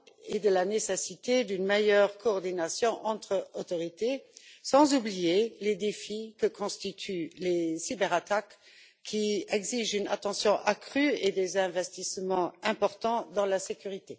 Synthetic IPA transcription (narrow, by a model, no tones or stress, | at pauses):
ed̪əlanesesit̪ed̪ynmejœʁkoːʁd̪inasjɔ̃ʔɑ̃t̪χəot̪ɔʁit̪esɑ̃zublijeled̪efikəkʰɔ̃st̪it̪ʰylesibɛʁat̪ak | kʰːiɛɡziʒyna̰t̪ɑ̃sjɔ̃ʔakχyed̪ezɛ̃vɛst̪ismɑ̃ɛ̃pɔʁt̪ɑ̃d̪ɑ̃lasekyʁit̪e